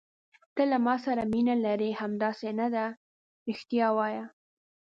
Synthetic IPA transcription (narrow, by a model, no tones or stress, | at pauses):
t̪əlamɑsaɾaminalaɾehamd̪ɑsenad̪a | ɾixt̪jɑwɑja